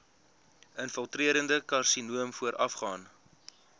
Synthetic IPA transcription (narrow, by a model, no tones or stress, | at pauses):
ənfəlˠtriəɾəndəkɐrsinuəmfuəɾʔɐfχɑːn